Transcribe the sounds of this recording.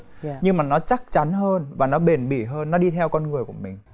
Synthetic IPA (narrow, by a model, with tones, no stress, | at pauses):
ɲɨ˧ŋmaː˨˩nɔ˨˦t͡ɕa˦˥k̚t͡ɕa˨˦nɦəː˧nvaː˨˩nɔ˨˦ɓe˨˩nɓḭ˧˩ɦəː˧nːɔ˨˦ɗi˧t̪ʰɛ˧wkɔ˧nŋɨ˨˩əjku˧˩əmï˨˩ŋ̟